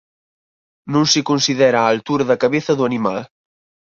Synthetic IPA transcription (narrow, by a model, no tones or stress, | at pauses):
nũnsikonsiðɛɾaːlt̪uɾɐðɐkɐβeθɐðuɐnima̰l